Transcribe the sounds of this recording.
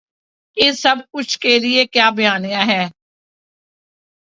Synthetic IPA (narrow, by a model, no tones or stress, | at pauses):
jesɐb̚kʊt͡ʃʰkelɪekjaːbɪjaːnijãːɦɛː